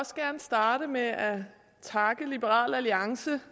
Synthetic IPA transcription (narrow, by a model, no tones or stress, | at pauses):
ɒ̽sɡ̥æɐnəsd̥ɑ̈ːɾəmeʔæ | t͡sʰɑ̈ɡ̥əlib̥əʁɑ̰̈ːlæliɑ̈ŋsə